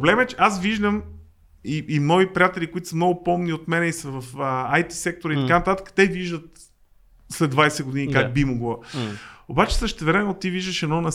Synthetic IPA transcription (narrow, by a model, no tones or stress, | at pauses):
blɛmɛt͡ʃɛasviʒd̪əm | iʔːmnɔipɾiat̪ɛlʲikoit̪ʊ̥səmnɔɡʊpɔmniot̪mɛnɛisəvɐfəajt̪i̥sɛk̚t̪oɾəit̪ɐkanɐt̪at̪ə̥kə̥t̪ɛviʒd̪ət̪ | slɛd̪vajsɛɡod̪inikak̚bimoɡlˠo | obat͡ʃɛ̥səʃt̪ɛvɾɛmɛnːot̪iviʒd̪əʃɛd̪ɔnɐ